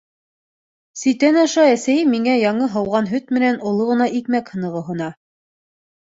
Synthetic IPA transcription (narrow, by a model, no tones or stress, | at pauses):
sĭt̪ænɑʃɑæsæjɘmiŋæjɑɴɤɦɑwʁɑn̪ɦɵt̪mɘ̆nænŏlˠɤʁɤ̆nɑʔikmækhɤ̆nɤ̆ʁɤɦŏnɑ